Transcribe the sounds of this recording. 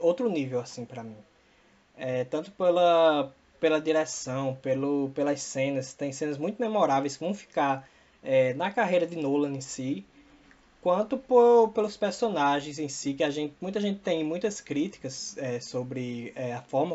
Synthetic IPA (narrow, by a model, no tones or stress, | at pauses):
owt̪ɾʊnivewasĩpɾɐmĩ | ɛt̪ɐ̃nt̪ʊ̥pelɐ | pelɐd̪iɾɛsɐ̃w̃pelʊpelɐsẽnɐst̪ẽj̃sẽnɐzmũj̃t̪ʊmemɔɾavejskɪvɐ̃w̃fi̥kaɾ | ɛnɐkaɦejɾɐd̪ɪnolɐ̃ẽsi | kwɐ̃nt̪ʊpoɾpelʊspeɾsonaʒẽj̃zẽsikɪaʒẽt̪ɪmũj̃t̪̬ɐʒẽnt̪ɪ̥t̪ẽj̃mũj̃t̪ɐskɾit̪i̥kɐsɛsobɾɪɛɐfɔɾmɐ